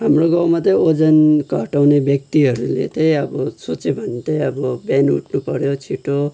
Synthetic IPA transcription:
ɦamroɡawmat̪ʌjod͡zʌnkʌɦʈawnebjʌk̚t̪iɦʌɾulḛt̪ʌjʌbʌsʰot͡sebʱʌnt̪ʌjʌbʌbjanṵʈʰnupʌɾjot͡sʰiʈo

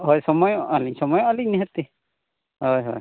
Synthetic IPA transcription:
ɦɔjsɔmɔjɔʔaliɲsɔmɔjɔ̃aliɲniɦɛt̪e | ɦɔjɦɔ̰j

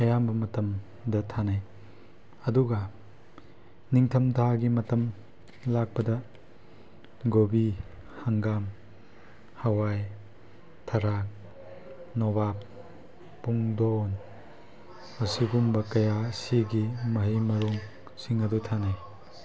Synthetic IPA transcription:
ɐjambɐmɐtɐm | dɐtʰanaj | ɐduɡɐ | niŋtʰɐmtʰaɡimɐtɐm | lak̚pɐdɐ | ɡobi | haŋɡam | hɐwaj | tʰɐɾak̚ | nɔbapː | uŋdown | mɐsiɡumbɐkɐjasiɡimɐɦijmɐɾuŋ | siŋɐdutʰanaj

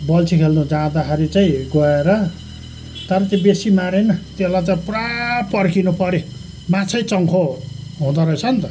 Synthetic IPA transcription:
bʌlt͡sʰikʰelnud͡zad̪akʰaɾit͡saĩɡʌeɾʌ | t̪ʌɾʌt̪jẽbesimaɾenʌt̪elat͡saiprapʌrkinupʌɾe | mat͡sʰʌjt͡sʌŋkʰoɦũd̪aɾʌjt͡sʰʌnt̪ʌ

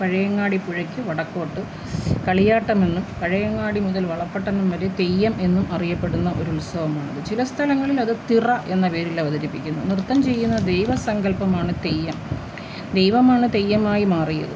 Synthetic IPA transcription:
pɐɻɐjɐŋːaːɽipuɻɐkʲːɨʋɐɽɐkːo̞ːʈːɨ | kɐɭijaːʈːɐme̞nːumpɐɻɐjɐŋːaːɽimuðɐlʋɐɭɐpːeʈːɐnːumʋɐɾet̪e̞jːɐmʔe̞nːumʔɐrijɐpːe̞ɽunːɐʔo̞ɾulsɐʋɐmaːɳɐðɨt͡ɕilɐst̪ʰɐlɐŋːɐɭilɐðɨt̪irɐʔe̞nːɐpeːɾilːeʋɐðɐɾipːikʲːunːṵnrt̪ːɐmt͡ɕe̞jːunːɐd̪e̞jʋɐsɐŋɡɐlpɐmaːɳɨt̪e̞jːɐm | d̪ejʋɐmaːɳɨt̪e̞jːɐmaːjimaːrijɐ̰ðɨ

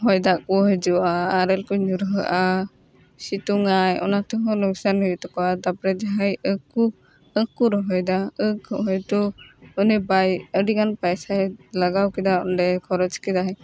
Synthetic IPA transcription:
ɦɔjd̪akɔɦɔjd͡ʒɔwaːɾɛlkɔɲuɾɦɯʔa | sit̪uŋajɔ̰nat̪ɔɦɔlɔksanɔjt̪ɔkɔad̪apɾɛd͡ʒaɦajəku | əkuɾɔɦɔjd̪aəɡɔɦɔjt̪ɔɔnɛbajəɾiɡanpajsajlaɡawkid̪aɔndɛkʰɔɾɔt͡ʃkid̪aɦaj

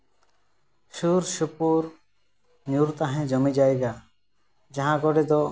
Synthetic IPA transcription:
ʃuɾʃupuɾ | nuɾt̪aɦẽd͡ʒɔmid͡ʑajɡa | d͡ʒaɦãɡɔɖed̪ɔ

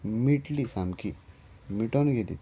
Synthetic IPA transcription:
miʈlisamki | miʈonɡʱelḭ

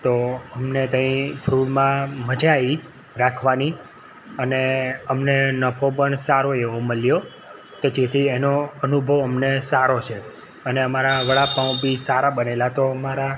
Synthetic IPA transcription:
t̪oəmnet̪ə̃ĩfʰɾuɽmãməd͡ʒʱai | ɾakʰʋani | əneəmnenəpʰopəɳsaɾoeʋoməljo | t̪od͡ʒet̪ʰienoənubʱəʋəmnesaɾot͡ʃʰe | əneəmaɾaʋəɭapãbisaɾaɓənelat̪oəmaɾa

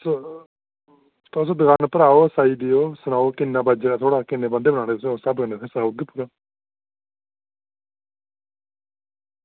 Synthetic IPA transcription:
so | t̪osõːd̪əɡaːnpəɾaːoːsaːiːd̪ɪjoːsənaːoːkɪnːãːbaːd͡ʒeat̪ʰoːɽaːkɪnːeːbə̃nd̪eːbənaːñeːt̪ssəbkənesẽːsad̪puɾaː

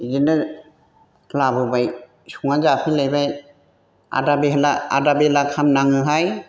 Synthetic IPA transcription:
zinɯ | labɯbaj | suŋazapʰilajbaj | a̰dabiɦlaa̰dabelakʰamnaŋɯɦaj

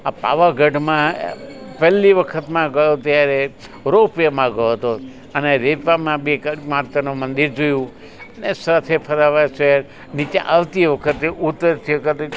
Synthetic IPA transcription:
apa̰ʋaɡʱəɖmã | pɛlːiʋəkʰət̪mãɡəjot̪jaɾe | ɾopjəmãɡəjoɦət̪o | əneɾepamãbikmaɾt̪ənũmənd̪iɾd͡ʒojũ | ənesat̪ʰepʰəɾaʋaseɾ | nit͡ʃeʔaʋt̪iʋəkʰət̪eʔut̪ːəɾt̪ʰijokət̪

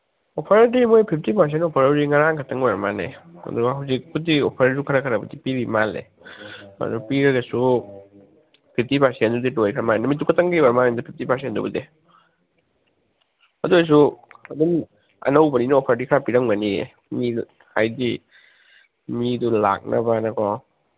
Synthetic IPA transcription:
opʰaɾt̬imojpʰip̚ʰtipʰaɾs̬entopʰaɾawɾiŋaɾaŋkʰatʰɐŋojɾamanea̰duɦawzik̚pʰudiopʰaɾɾisukʰɐɾakʰɐɾabɐdipiɾimalḛ | a̰dupiɾɐɡɐsu | pʰip̚ʰtipʰaɾsenduditojkʰɾamaenamitukʰɐtɐŋɡibaɾmaendɐpʰip̚ʰtipʰaɾs̬entdṵbude | ɐduajs̬uɐdun | ɐ̰nɐwbɐninɐɔpʰɐɾdikʰaɾapiɾɐŋbɐniḛ | mi | hajdi | midula̰k̚nʔɐbanɐkʰɔ

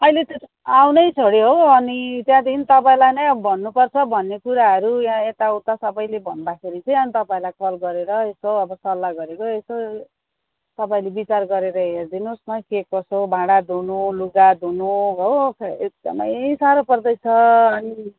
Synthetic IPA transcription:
ʌilet̪e | awnʌjt͡sʰoɽiɦoʌnit̪jãd̪int̪ʌpaĩlajnʌjʌbʱʌnːupʌrt͡sʰʌbʱʌnːekuɾaɦʌɾujãet̪aut̪ːasʌbʌjlebʱʌnd̪akʰeɾit͡sʌ̃ĩʌnit̪ʌpaĩlajkʌlɡʌɾeɾʌesoʌbʌsʌlːaɡʌɾekoeso | t̪ʌpaĩlebit͡sarɡʌɾeɾʌɦerd̪inosmʌkekʌsobʱãɽad̪ʱunoluɡad̪unoɦokʰek̚d͡zʌ̰na̰saɾopʌrd̪ʌjt͡sʰʌːni

